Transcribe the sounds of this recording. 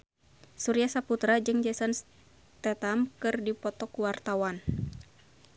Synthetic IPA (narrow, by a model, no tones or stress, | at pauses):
suɾijasaput̪ɾad͡ʒɨŋd͡ʒasans | t̪ɛt̪amkɨrdipɔt̪ɔkuwart̪awan